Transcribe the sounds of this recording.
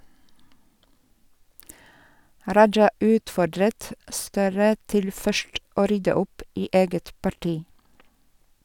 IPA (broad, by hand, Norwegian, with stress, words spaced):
ˈɾɑd͡ʒɑ ˈʉːtfɔɖɾət ˈstøːɾə ˈtɪl ˈfœʃt ˈoː ˈɾʏdə ˈʊp ˈiː ˈeːɡət pɑˈʈiː